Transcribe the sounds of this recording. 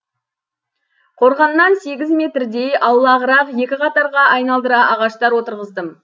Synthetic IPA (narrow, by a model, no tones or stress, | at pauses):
qʰo̞ɾʁɑnːɑnse̞ɡʲɪzme̞t̪ɾd̪ejʔɑwlˠɑʁəɾɑqje̞kʲɪqʰɑt̪ɑɾʁɑʔɑjnɑlˠd̪əɾɑʔɑʁɑʃt̪ɑɾwot̪əɾʁəzd̪əm